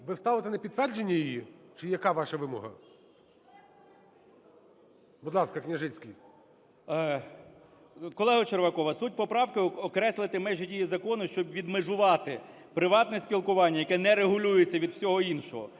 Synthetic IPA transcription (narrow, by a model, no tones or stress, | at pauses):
ʋɪst̪ɑʋɪt̪ɪnɐpʲid̪t̪ːʋɛrd͡ʒenʲːɐjijit͡ʃɪjɐkɑʋɑʃɐʋɪmɔɦɐ | bʊd̪lˠɑskɐknʲɐʒɪt͡sʲkʲij | kɔlˠɛɦɐt͡ʃerʋɐkɔʋɐsut̚ʲpɔpɾɑwkɪɔkɾɛslˠɪt̪ɪmɛʒɪtʲijizɐkɔnʊʃt͡ʃɔbʋʲid̪meʒʊʋɑt̪ɪ | pɾɪʋɑt̪nɛsʲpʲilˠkʊʋɑnʲːɐjɐkɛnɛɾeɦʊlʲujet͡sʲːɐʋʲid̪wsʲɔɦɔinʃɔɦɔ